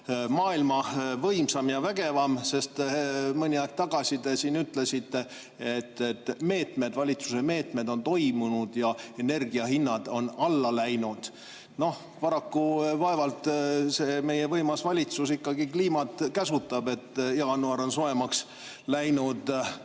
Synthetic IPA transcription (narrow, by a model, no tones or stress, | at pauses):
mɑːilmɑvɤjmsɑmjɑvæɡ̥e̞vɑmse̞st̪mɤnʲiɑek̚t̪ɑɡ̥ɑsid̪e̞siːnyt̪ˑle̞sit̪ːe | et̪ːet̪ːme̞ːt̪me̞d̪vɑlʲit̪suse̞me̞ːt̪me̞d̪o̞nt̪o̞jmunud̪̥jɑe̞ne̞rɡiɑɦinːɑd̪̥o̞nɑlːɑlæjnud̪̥ | no̞h | pɑɾɑkːuvɑe̞vɑlt̪se̞ːme̞jevɤjmɑsvɑlʲit̪susikːɑɡikliːmɑt̪kæsut̪ːˑɑbe̞t̪ːjɑɡɑnuɑɾo̞nsoe̞mɑks | læjnud̪